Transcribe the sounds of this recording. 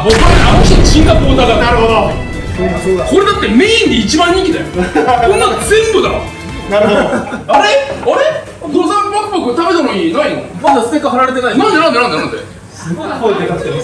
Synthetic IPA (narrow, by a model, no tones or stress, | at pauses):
bokamoɕioɕĩŋɡapoːt̪aɡaaɾɯod̪o | oko̞ɾe̞d̪at̪ːe̞me̞ːĩnd̪eit͡ɕibãɲːĩŋk̬ʲid̪ajoonːaɡazẽ̞mbɯd̪ao̰ | naɾɯɦooaɾeaɾe | d̪ozãpãpokɯt̪abe̞t̪anoɲʲinaino̰mad̪asɨ̥t̪e̞kːaɦaɾaɾe̞t̪̬e̞nainãnd̪e̞nãnd̪eãnd̪enãnd̪e | sɨɡokoid̪eɡakt̪ːe